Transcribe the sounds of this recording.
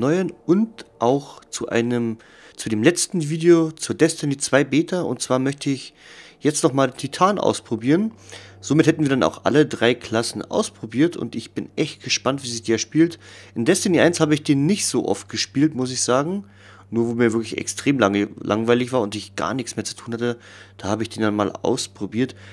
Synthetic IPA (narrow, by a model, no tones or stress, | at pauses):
nɔʏɐnʊntʔaʊxt͡suʔa̰ɪnəm | t͡sudeːmlɛt͡stn̩viːdeot͡suːɐdɛsteniːt͡sv̥aɪbeːtʰɐʊ̰nt̚t͡sv̥aːɐmœçtʰəɪçjɛt͡stnɔχmaːldeːntʰitʰaːnʔa̰ʊspʁ̥obiːʁənz̥oːmɪthɛtn̩viːɐdana̰ʊxʔa̰lədʁaɪkʰl̥asn̩ʔa̰ʊspʁ̥obiːɐtʰʊ̰ntɪçb̥ɪnʔɛçt̚ɡ̥əʃpantv̥iːzɪçd̥iːɛɐʃpiːltʔɪndɛsteniːʔa̰ɪnshaːbəɪçd̥eːnːɪçtz̥o̰ːʔɔ̰ft̚ɡ̥əʃpiːltmʊs̬ɪçz̥aːɡŋ̩ | nuːɐvoːmiːɐvɪɐklɪçɛ̰kstʁ̥eːmlalʔa̰ŋvaɪlɪçv̥aːɐʊntɪçɡ̥a̰ːɐnɪçt͡ssmeːɐt͡su̥tʰuːnhatə | d̥aːhaːbəɪçd̥eːndanma̰ːlʔa̰ʊspʁ̥obiːɐt